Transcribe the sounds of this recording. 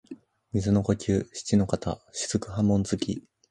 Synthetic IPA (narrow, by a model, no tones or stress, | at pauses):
mʲizɨno̞kokʲɨːɕi̥t͡ɕino̞kat̪a̰ɕi̥z̥ɨkɯ̟ɦãmːõ̞nd͡zɨkʲḭ